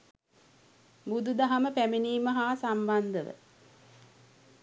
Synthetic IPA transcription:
bud̪ud̪aɦaməpæmeniːməɦaːsamband̪əʋə̰

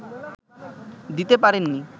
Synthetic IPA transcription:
d̪it̪epaɾenːi

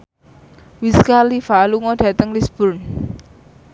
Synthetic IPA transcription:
wiskalifaluŋɔɖ̥ä̤t̪əŋlisb̥ʊrn

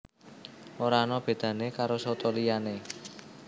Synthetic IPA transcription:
ʔoɾanɔb̥e̤d̪̥ä̤nekaɾosɔt̪ɔlijane

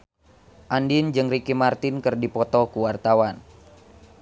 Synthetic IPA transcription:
ʔandind͡ʒɨŋrikimart̪ɪnkɨrdipɔt̪ɔkuwart̪awan

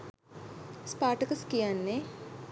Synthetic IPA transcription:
spaːʈəkəskijanːe

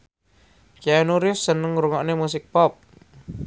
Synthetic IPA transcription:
kiaenuɾɪjʊsːənəŋɾuŋɔʔnemusɪk̚pɔp̚

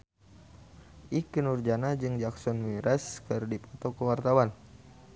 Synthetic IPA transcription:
ʔikənurd͡ʒanad͡ʒɨŋd͡ʒaksɔnmiɾɛskərdipɔt̪ɔkəwart̪awan

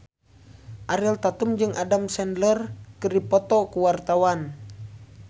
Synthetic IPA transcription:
ʔaɾɛlt̪at̪umd͡ʒɨŋʔadamsɛndlərkɨripɔt̪ɔkuwart̪awan

